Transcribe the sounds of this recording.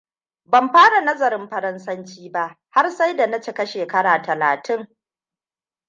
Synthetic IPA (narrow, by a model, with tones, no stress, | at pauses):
bɐ˨mɸaː˦ɽa˨nɐ˦zɐ˨ɾɪ˦mɸɐ˦ɾɐ˦nsɐ˦nt͡ʃiː˦ba˦ʔ | ha˦rsa˦jda˨nɐ˦t͡ʃɪ˨kɐ˦ʃeː˨kɐ˦ɽaː˨tɐ˨la̰ː˨tɪ˦ŋ